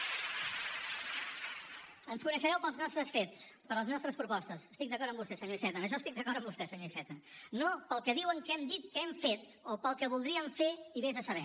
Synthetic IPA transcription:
ənskunəʃəɾɛwpəlˠznɔst̪ɾəsfet͡spəɾləznɔst̪ɾəspɾupɔst̪əsəst̪ik̚d̪əkɔɾəmbust̪ɛsəɲoisɛt̪ənəʃ̬ɔst̪ik̚d̪əkɔɾəmbust̪ɛsəɲoisɛt̪ənopəlˠkəðiwəŋkɛmd̪it̪̚kəɛmfet̪ | opəlˠkəβulˠd̪ɾiəɱfeiβezðəsəβɛ

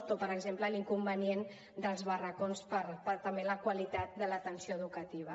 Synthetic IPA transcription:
t̪opəɾəɡzempləliŋkumbənien | d̪əlˠzβərəkonspəɾpəɾt̪əmbeləkwəlit̪at̪̚d̪ələt̪ənsioəðukət̪iβ̞ə

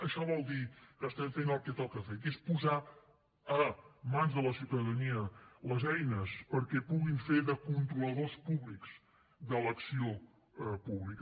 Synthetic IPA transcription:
əʃɔβɔlˠd̪ikəst̪ɛɱfenəlˠkɛt̪ɔlˠkəfet̪espuza | əmanzðələsiwt̪əðəniələzɛjnəspəɾkɛpuɣiɱfeɾðəkunt̪ɾuləðospuβlikz̥ | ðələksio | puβlikə

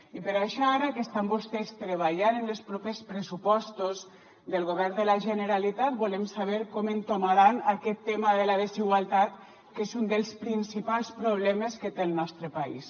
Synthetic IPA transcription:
ipəɾaʃɔaɾakest̪ambost̪est̪ɾeβ̞aʎanenlespɾɔpespɾesupɔst̪oz | d̪əlˠɣoβɛɾnd̪əlaʒənəɾalit̪at̪̚bulemsaβ̞eɾkɔment̪omaɾanakɛt̪ːemaðəlaðeziɣwalˠt̪at̪ | kezund̪əlˠspɾinsipalˠspɾuβlɛmeskət̪eːlˠnɔst̪ɾəpaḭs

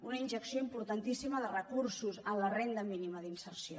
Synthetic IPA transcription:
unəinʒəksioimpuɾt̪ant̪isiməðərəkuɾsuzənlərend̪əminiməðinsəɾsio

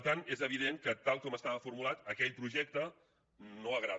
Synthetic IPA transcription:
t̪anezəβ̞iðeŋkət̪alˠkɔməst̪aβəfuɾmulat̪əkɛʎpɾuʒɛk̚t̪ə | noəɣɾað

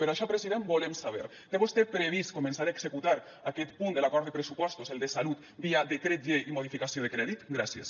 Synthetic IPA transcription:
peɾoaʃɔpɾeziðembolemsaβ̞ḛɾ | t̪eβust̪epɾeβiskomẽnsaɾaeɡzekut̪aɾ | akɛt̪pund̪elakɔɾt̪epɾesupɔst̪ozelˠd̪esalut̪ | biad̪ekɾet̪̚d͡ʒeimoð̞ifikasioð̞ekɾɛðit̪ɡɾasjḛs

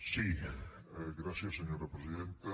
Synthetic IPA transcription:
si | ɡɾasiasːeɲoɾapɾesiðent̪a

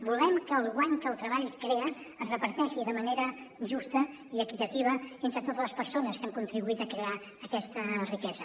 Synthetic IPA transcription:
bulˠɛmkəːlˠɣwaɲkəːlˠt̪ɾəβaʎkɾeəː | zrəpəɾt̪ɛʃiðəməneɾəʒust̪ə | iəkit̪ət̪iβəent̪ɾət̪ot̪əzləspəɾsonəskamkunt̪ɾiβuit̪əkɾea | əkɛst̪ərikɛzə

